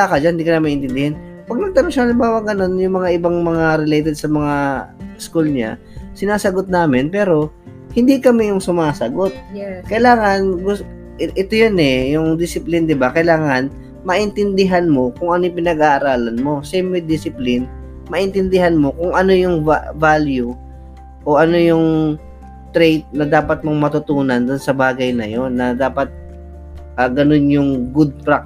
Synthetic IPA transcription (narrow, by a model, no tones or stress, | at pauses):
akɐd͡ʒanhɪnd̪ikɐnɐmɐʔɪnt̪ɪnd̪ɪhɪn | pɐɡ̚nɐɡ̚t̪ɐɾoŋʃɐʔalɪmbaːwɐɡɐno̞njʊŋmɐŋaʔɪbaŋmɐŋaɾɪlejt̪ɛd̪̚sɐmɐŋaskulɲa̰ | sɪnaːsɐɡot̪̚naːmɪnpɛːɾo̞ | hɪnd̪ikɐmɛjʊŋsʊmaːsɐɡo̞t̪̚kɐjlaːŋɐnɡʊ | ʔɛt̪ojonɛjʊŋd̪ɪsɪplɪnd̪ɪbakɐjlaːŋɐn | mɐʔɪnt̪ɪnd̪ɪɦanmo̞kʊŋʔɐnojʊŋpɪnɐɡaːʔɐɾaːlɐnmo̞sɛjmɛd̪ɪsɪplɪn | mɐʔɪnt̪ɪnd̪ɪɦanmo̞kʊŋʔɐno̞jʊŋvavaːlju | ʔoʔɐno̞jʊŋ | t̪ɾejt̪̚nɐd̪aːpɐt̪̚moŋmɐt̪ʊt̪uːnɐnd̪ʊnsɐbaːɡɐjnɐjo̞nːɐd̪aːpɐt̪̚ | ʔɐːɡɐno̞njʊŋɡʊd̪̚pɾak